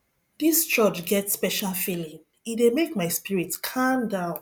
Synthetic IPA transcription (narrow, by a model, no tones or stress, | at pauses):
dist͡ʃɔt͡ʃɡɛtspɛʃalfilĩŋ | idemekmaɪspiɹitkʰãndãʊ̃n